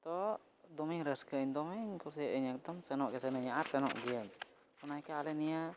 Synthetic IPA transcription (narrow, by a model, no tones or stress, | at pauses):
t̪ɔʔ | d̪ɔmiŋɾəskəɲd̪ɔmiŋkuɾsiəʔiɲək̚d̪ɔmsɛnɔʔkɛsɛnəɲaʔaɾsɛnɔ̰ʔɡiəɲ | ɔnajkaalɛnija